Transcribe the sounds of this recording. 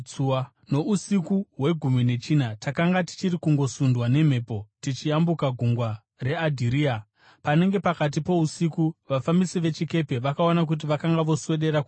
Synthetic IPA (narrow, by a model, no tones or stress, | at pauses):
no̞usikuɦwe̞ɡʱumine̞t͡ʃin̤atakaŋɡati̥t͡ʃiɾikuŋɡo̞sundwane̞m̤e̞ːpo̞tit͡ʃiambukaɡʱuŋɡwa | ɾe̞adʱiɾiːa | pane̞ŋɡe̞pakat̬ipo̞usikuʋafamisiʋe̞t͡ʃike̞pe̞ʋakaonak̬ut̬iʋakaŋɡaʋo̞swe̞ɗe̞ɾak